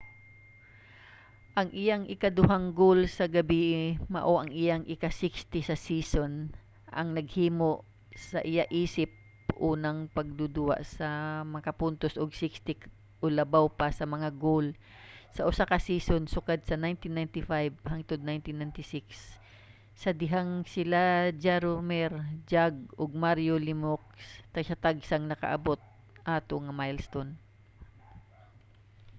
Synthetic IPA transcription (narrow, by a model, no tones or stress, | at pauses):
ʔɐŋʔɪjaŋʔɪkad̪ʊɦaŋɡolsɐɡɐbiːʔɪmɐ̰ʔo̞ʔɐŋʔɪjaŋʔɪkasikst̪ɪsɐsiːson | ʔɐ̰ŋnɐɡ̚hiːmoʔ | sɐʔɪjaʔiːsɪp̚ | ʔuːnɐŋpɐɡ̚d̪ud̪ʊha̰ʔsɐmɐkɐpʊnt̪osʔoɡsikst̪ɪk | ʔolɐbawpɐsɐmɐŋaɡol | sɐʔʊsakɐsiːsonsʊkad̪̚sɐnajnt̪ɪnːajnt̪ɪfajbɦaŋt̪od̪̚najnt̪ɪnːajnt̪ɪsɪksː | ɐd̪ɪɦaŋsɪlad͡ʒaɾomɛɾd͡ʒaɡ̚ʔoɡ̚maɾjolɪmok̚st̪ɐɡsɐt̪aɡsaŋnɐkɐ̰ʔɐ̰bo̞t̪̚ | ʔaːt̪oŋɐmajlst̪on